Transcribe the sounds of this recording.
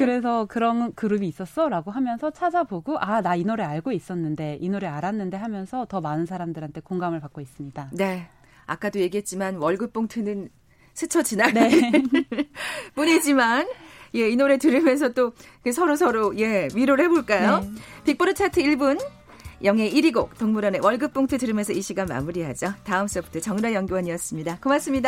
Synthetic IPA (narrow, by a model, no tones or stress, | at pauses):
kɯɾe̞sʰʌkɯɾʌnkɯɾɯbiːs͈ʌs͈ʌɾaɡoɦamjʌnsʰʌt͡ɕʰad͡ʑaboɡoʔanainoɾeaɭɡois͈ʌnːɯnde̞ʔinoɾeaɾanːɯnde̞ɦamjʌnsʰʌtʌmanɯnsʰaɾamdɯɾɦantʰe̞koŋɡamɯɭpak͈ois͈ɯmɲidane̞ | a̰k͈adoje̞ɡiɦe̞t̚t͡ɕ͈imanwʌɭɡɯp͈oŋtʰɯnɯn | sʰɯt͡ɕʰʌd͡ʑinane | puɲid͡ʑimanje̞inoɾe̞tɯɾɯmjʌns̬ʰʌt͈o | kʰesʰʌɾosʰʌɾoje̞miɾoɭhe̞boɭk͈ajopik̚p͈oɾɯt͡ɕʰatʰɯiɭbun | jʌŋe̞ʔiɾiɡok̚toŋmuɾʌne̞wʌɭɡɯp͈oŋtʰɯtɯɾɯmjʌnsʰʌiɕʰiɡama̰muɾiɦad͡ʑʌtaɯms͈ʌbu̥tʰʌt͡ɕʌŋɾajʌŋɡiwʌɲiʌs͈ɯmɲidakɯmas͈ɯmɲida